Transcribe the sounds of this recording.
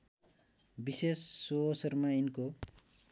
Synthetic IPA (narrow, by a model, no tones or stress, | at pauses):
bisesːuɦosʌɾmainko